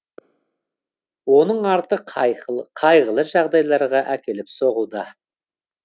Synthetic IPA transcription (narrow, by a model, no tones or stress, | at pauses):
wo̞nəɴɑɾt̪əqʰqʰɑjʁəlˠəʒɑʁd̪ɑjlˠɑɾʁɑʔækʲʰe̞lɪpso̞ʁud̪ɑ